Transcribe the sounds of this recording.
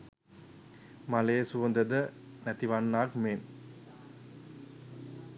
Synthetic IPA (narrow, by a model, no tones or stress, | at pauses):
mɐleːsuʋɐnd̪əd̪ə | nɛt̪iʋɐnːaːkmeːn